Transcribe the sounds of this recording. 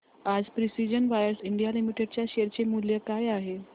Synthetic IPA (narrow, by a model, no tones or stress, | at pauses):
ad͡zpɾisid͡ʑənʋajəɾsiɳɖijalimiʈeɽt͡ɕjaɕeɾt͡ɕemuljəkajaɦe